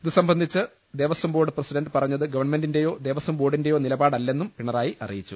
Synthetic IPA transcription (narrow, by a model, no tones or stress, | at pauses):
iðɨsɐmbɐnd̪ʱit͡ɕːɨ | d̪eʋɐswɐmboːɖɨprɐsidɐnɖɨpɐrɐɲːɐðɨɡɐʋɐɳɐme̞ndinde̞jo̞ːd̪e̞ːʋɐsɐmbo̞ːɽinde̞jo̞ːnilɐbaːɽɐlːe̞nːumpiɳɐraːjiʔɐ̰rḭjit͡ɕːu